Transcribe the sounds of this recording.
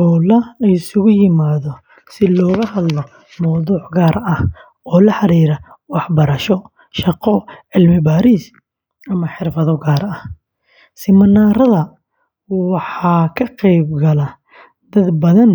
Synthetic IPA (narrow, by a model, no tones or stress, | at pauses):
ɔlɐlɐjɪsʊɣʊjɪmaːðɔ | sɪlɔːɣɐɦɐd̪lɔ | mɐwðuːʕɡaːɾɐh | ɔːlɐħɑɾiːɾɐwɑħbɐɾɐʃɔ | ʃɑqɔʕɪlmɪbaːɾiːs | ɐmɐħɪrfɐðɔɡaːɾɐh | sɪmɐnːaːɾɐðɐ | wɑħɑːkʰɐqɛjbɡɐlɐ | d̪ɐd̪bɐðɐn